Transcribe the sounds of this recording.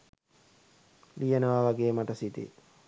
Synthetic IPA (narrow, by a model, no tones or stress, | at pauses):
lijənəʋaʋaɡeːmaʈəsit̪ḭ